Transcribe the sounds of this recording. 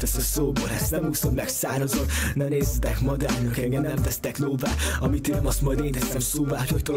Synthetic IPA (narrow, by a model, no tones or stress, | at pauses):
t̪ɛsɛsoːbolɛst̪nɛmhuːsomlɛksaːrozot̪nɛneːzɛt̪ɛkmɒd̪aːrnɒkɛŋɡɛnnɛmt̪ɛst̪ɛkloːvaːɒmit̪eːnmɒst̪mɒjd̪eːnt̪ɛst̪ɛmsoːvaːochoct̪o